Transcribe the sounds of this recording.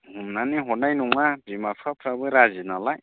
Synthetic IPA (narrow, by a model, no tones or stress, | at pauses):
ɦumnaniɦonajnuŋabʱimasʰapʰɾabɯɾazinalaj